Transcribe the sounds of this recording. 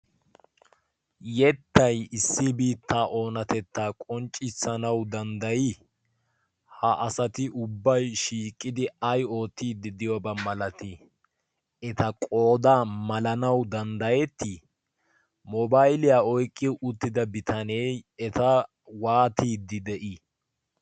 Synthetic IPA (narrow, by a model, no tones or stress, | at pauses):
jɛt̪ːɐjɪsːɪbiːt̪ːaːʔo̞ːnɐt̪ɛt̪ːaːkʼɔnt͡ʃʼːɪsɐnɐwd̪ɐnd̪ɐji | hɐʔɐsɐt̪ɪʔʊbːɐjʃiːkʼːɪd̪ɪɐjo̞ːt̪ːiːd̪ɪd̪ɪjɔbɐmɐlɐt̪ɪ | ɛt̪ɐkʼoːd̪aːmɐlɐnɐwd̪ɐnd̪ɐjɛt̪ːi | mɔbajlɪjaːɔjkʼːɪʔʊt̪ːɪd̪ɐbɪt̪ʰɐnejɛt̪ɐ | waːt̪iːd̪ɪd̪ɛʔi